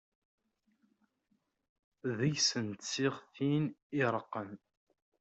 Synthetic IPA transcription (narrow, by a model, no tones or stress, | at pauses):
ðəʝsənt̪sɪʁθinɪɾˤəqːən